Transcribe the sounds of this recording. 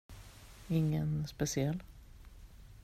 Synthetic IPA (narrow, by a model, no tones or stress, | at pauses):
ɪŋːənspɛsɪɛlː